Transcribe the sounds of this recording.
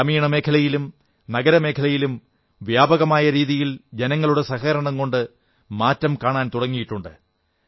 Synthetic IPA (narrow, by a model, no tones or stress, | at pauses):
ɐmiːɳɐme̞ːkʰɐlɐjilum | nɐɡɐɾɐme̞ːkʰɐlɐjilum | ʋjaːbɐɣɐmaːjɐɾiːðijild͡ʑe̞nɐŋːɐɭuɽesɐhɐɐɾɐɳɐmko̞ɳɖɨ | maːtːɐmkaːɳaːnt̪uɽɐŋːijiʈːuɳɖɨ